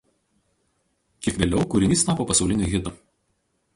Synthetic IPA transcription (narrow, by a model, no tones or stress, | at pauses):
kʲiɛkʋʲeːlʲɛʊkʊɾʲɪnʲiːst̪ɑːˑpoːpɐsɒʊlʲɪnʲʊɣʲɪd̪ʊ